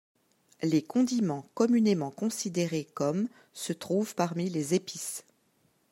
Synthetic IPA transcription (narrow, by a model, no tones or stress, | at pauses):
lekɔ̃d̪imɑ̃kɔmynemɑ̃kɔ̃sid̪eʁekɔm | sət̪χuvpaʁmilezepis